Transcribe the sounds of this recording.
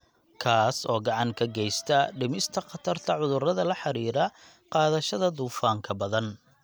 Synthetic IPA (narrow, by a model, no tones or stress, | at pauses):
kʰaːsɔːɡɑʕɑŋkʰɐɡɛjst̪ʰɐɖɪmɪst̪ʰɐqɑt̪ʰɐrt̪ʰɐʕʊðʊrɐðɐlɐħɑɾiːɾɐ | qɑːðɐʃɐðɐd̪uːfaːŋkʰɐbɐðɐn